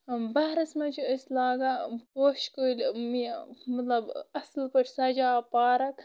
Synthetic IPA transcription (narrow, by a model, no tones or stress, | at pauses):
bɐɾɐsmɐt͡ʃʰiəsʲlaːɡapoːʃkolʲmimɐt̪lɐbɐslpɐʈʰsɐd͡ʒaːpaːɾɐk